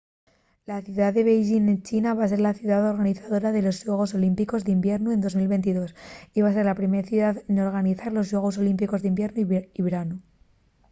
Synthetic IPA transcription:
laθjuðaððe̞β̞ejʒinet͡ʃinaβas̬e̞ɾlaθjuðaðo̞ɾɣaniθaðo̞ɾaðe̞lo̞zʝwe̞ɣ̞o̞so̞limpiko̞zðeimbje̞ɾnue̞no̞zmilβe̞nt̪̬iðo̞siβase̞ɾlapɾimeθjuðaðno̞ɾɣaniθaɾlo̞zʝweɣ̞o̞so̞limpiko̞zðimbje̞ɾnuiiβeɾanu

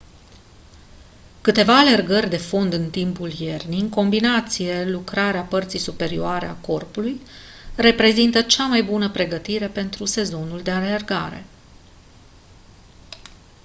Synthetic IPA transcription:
kɨt̪e̞vaːle̞rɡərʲd̪e̞fo̞nd̪ɨnt̪impulje̞rniŋko̞mbinat̪sije̞lukɾaɾeapərt̪sijsupe̞ɾioaɾḛa̰ko̞rpuluj | re̞pɾe̞zint̪ət͡ʃamajbunəpɾe̞ɡət̪iɾe̞pe̞nt̪ɾuse̞zo̞nuld̪e̞ale̞rɡaɾe̞̰

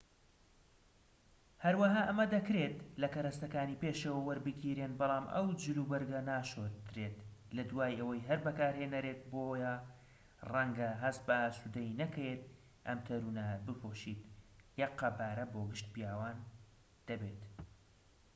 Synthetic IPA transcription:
hɐɾwɐɦaːʔɐmɐd̪ɐkɾet̪lɐkɐɾɐst̪ɐkaːniːpeːʃewɐwɐɾbɨkʰiːɾeːnbɑlˠɑːmʔɐ̰wd͡ʒɨɾuːbɐɾɡɐnaːʃoːt̪ɾeːt̪lɐd̪waːjɐwɐjɦɐɾbɐkaːɾheːnɐɾet̪̚booja | rɐŋɡɐɦɐs̚bɐaːsud̪ɐinɐkɐjet̪ | ʔɐ̰mt̪ʰɐɾuːnɐbɨpʰoːʃiːt̪jɐqːɐbaːɾɐboːɡɨʃt̪pijaːwaːn | d̪̥ɐbeːt̪

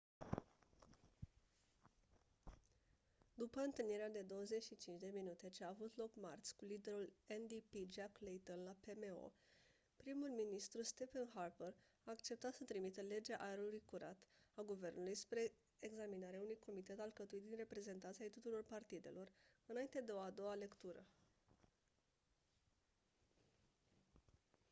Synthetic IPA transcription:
d̪upəɨnt̪ɨlniɾead̪e̞d̪o̞wəze̞t͡ʃʲʃit͡ʃint͡ʃd̪e̞minut̪e̞t͡ʃeaːvut̪lo̞kmart̪sʲkulid̪e̞ɾulend̪ipid͡ʒaklejt̪onlape̞meo̞̰ | pɾimulminist̪ɾust̪e̞fenɦarpər | aːkt͡ʃe̞p̚t̪at̪sət̪ɾimit̪əle̞d͡ʒeaʔaeɾulujkuɾʔat̪aɡuve̞rnulujspɾe̞ | eɡzaminaɾeaunujko̞mit̪e̞t̪alkət̪uit̪̚d̪inre̞pɾe̞ze̞nt̪ant̪ʲiajt̪ut̪uɾo̞rpart̪id̪e̞̰lo̞rɨnaint̪e̞d̪eo̞ad̪o̞wale̞kt̪uɾə

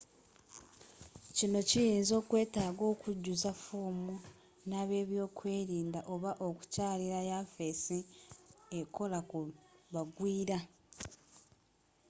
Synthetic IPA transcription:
cino̞cijiːnzo̞ːkwe̞ːtaːɡo̞ːkuɟːuzafoːmu | naβe̞ːβjo̞ːkwe̞ːɾiːndaʔo̞βaʔo̞ku̥caːliɾajafe̞si | eko̞lakuβaɡwiːɾa

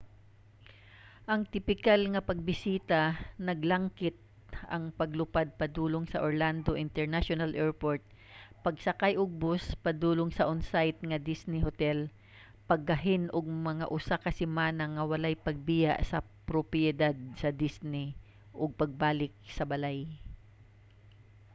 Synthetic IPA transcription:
ʔɐŋt̪ɪpɪkalŋɐpɐɡ̚bɪsiːt̪ɐnɐɡlɐŋkɪt̪̚ | ɐ̰ŋpɐɡlʊpad̪̚pɐd̪uːloŋsɐʔoɹland̪o̞ʔɪnt̪ɛɹnaʃonɐlʔɛɹpoɹt̪̚ | pɐɡsɐkajʔʊɡ̚bospɐd̪uːloŋsɐʔonsajt̪̚ŋɐd̪isnɪɦot̪ɛl | pɐɡ̚ːɐɦɪnʔoɡ̚mɐŋaʔʊsakɐsɪmaːnɐŋːɐwɐlajpɐɡ̚bɪja̰ʔsɐ | pɾopjɛd̪ad̪̚sɐd̪isnɪ | ʔoɡ̚pɐɡ̚baːlɪk̚sɐbɐlaj

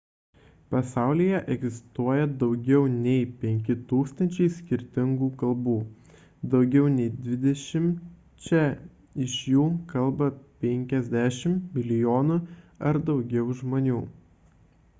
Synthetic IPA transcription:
pɐsɑˑʊlʲijɛʔɛɡzʲɪst̪uɔjɛd̪ɒʊɡʲɛʊnʲɛɪpʲɛŋʲkʲɪt̪uːkst̪ɐnʲt͡ʃʲɛɪsʲkʲɪɾʲt̪ʲɪŋɡuːkɐlˠbuː | d̪ɒʊɡʲɛʊnʲɛɪd̪ʲʋʲɪd̪ʲɛʃʲɪm | t͡ʃʲɛ | ɪʃjuːkɐlˠbɐpʲɛŋʲkʲɛzʲd̪ʲæːʃʲɪmmʲɪlʲɪjoːnʊɐɾd̪ɒʊɡʲɛʊʒmoːnʲuː

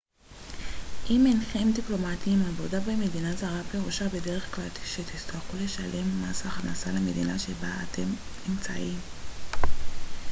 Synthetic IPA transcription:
ʔimenχemdiplo̞matiimavo̞dabeme̞dinazaʁapeʁuʃabe̞de̞ʁe̞χklalʃet̪istaχule̞ʃale̞mːasaχna̰saleme̞d̪inaʃe̞baːtʰe̞mimt͡sa̰ʔim

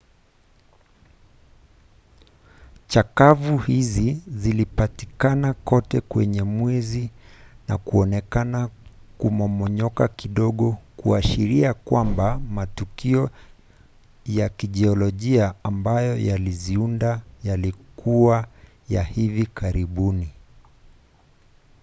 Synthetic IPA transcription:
t͡ʃakavuhizizilipatikanakɔtɛkwɛɲɛmwɛzina̰kuɔnɛkanakumɔmɔɲɔkakiɗɔɠɔkuaʃiɾiakwambamatukiɔ | jakiʄɛɔlɔʄiaːmbajɔjaliziundajalikua | jahivikaɾiɓuni

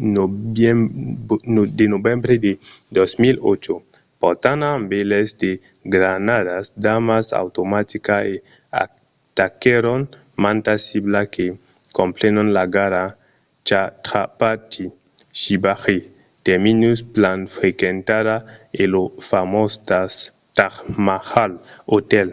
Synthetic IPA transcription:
denobembɾeded̪osmilo̰t͡ʃo | pot̪anambelesd̪e | ɡɾanadasd̪amasa̰wt̪omat̪ikae | a̰ | takeɾon | mant̪asiblake | komplenonlaɡaɾa | t͡ʃatɾapat͡ʃi | ʃibaxi | teminusplanfɾekentaɾaelofamostas | taxmahalotel

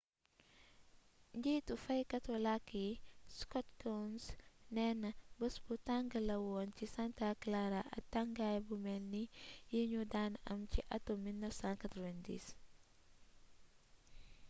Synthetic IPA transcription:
ɲɟiːtufɐjkɐtɔlakːiskɔtkansnɛnɐbəsbutaŋɡəlɐwɔncisantaklaɾaʔɐ̰tːaŋɡajbumɛnːijiɲudanɐmciʔɐtomilnəfsãnkatɾɔvɛndḭs

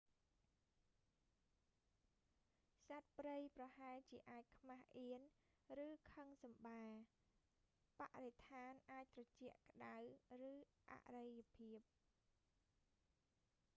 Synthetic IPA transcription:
sat̪̚prəjprɑhaɛlt͡ɕiəʔaːc̚kʰmahʔiən | rɨːkʰəŋsɑmɓaː | paʔret̪ʰaːnʔaːc̚t̪rɑt͡ɕɛ̆əʔkə̆ɗawrɨː | ʔa̰ʔrəjəpʰiəp̚

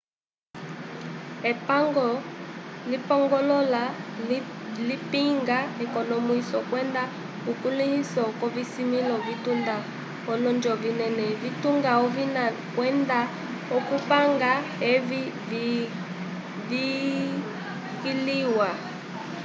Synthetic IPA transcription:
ɛpaŋɡɔ | lipɔŋɡɔlɔla | lipiŋɡaɛkɔnɔmuisɔkwɛnda | ukulihisɔkɔvisimilɔvitunda | ɔlɔnd͡ʒɔvinɛnɛvituŋɡaɔvina | kwɛnda | ɔkupaŋɡaɛv | vi | kiliwa

